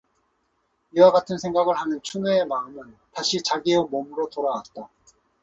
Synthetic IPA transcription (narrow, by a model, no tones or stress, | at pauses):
iwaɡatʰɯnsʰe̞ŋɡaɡɯɭhanɯnt͡ɕʰuneemaɯmɯntaɕʰit͡ɕaɡiemomɯɾotoɾawat̚t͈a